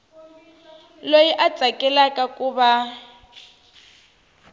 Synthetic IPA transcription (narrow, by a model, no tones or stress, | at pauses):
lojiʔat͡sʼakʼɛlakʼakʼuːba